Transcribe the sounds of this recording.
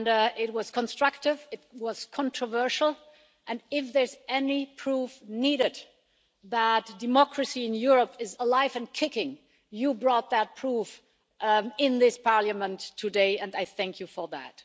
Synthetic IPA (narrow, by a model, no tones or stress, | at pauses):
nɪt̚wʌz̥kʰə̃nstɹ̥ʌk̚tɪvɨt̚wʌz̥kʰɑ̃ntʰɹ̥əvɜ˞ʃl̩ˠ | ʔɨ̃nɪfðə˞zɛnipʰɹ̥ufniɾɨd | ðætd̥ɨmɔkɹɨsiɨ̃njʊɹəpɪzəlaɪvɨ̃nkʰɪkɪ̃ŋ | jɨbɹɔt̪̚ðət̚pʰɹ̥uf | ɪ̃nðɪspʰɑɹlɨmə̃ntʰːɨdeɪɨ̃naɪθæ̃ŋkʰjɨfə˞ðæ̰t̚